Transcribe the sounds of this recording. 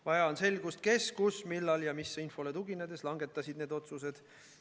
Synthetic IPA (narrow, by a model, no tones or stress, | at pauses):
vɑjɑonse̞lɡ̥ust̪̚ke̞skusmilːɑljɑmisːeinfo̞let̪uɡ̥ined̪̥e̞slɑŋɡ̥e̞t̪ːˑɑsʲid̪ne̞ːd̪o̞t̪suse̞d̪̥